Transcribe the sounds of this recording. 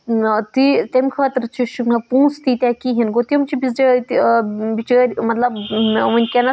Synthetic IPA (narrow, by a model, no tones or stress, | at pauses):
t̪it̪emkʰaːt̪ɨɾt͡ʃʰiʃuknɐpũːst̪it̪ɛkiɦinɡot̪iɐmt͡ʃʰibizɾet̪bit͡ʃɐɾʲmɐt̪lɐbʋɐnʲkʲenɐ